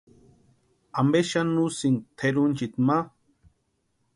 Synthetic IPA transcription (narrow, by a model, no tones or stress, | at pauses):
ambeʃanusiŋt̪ʰeɾunt͡ʃit̪ma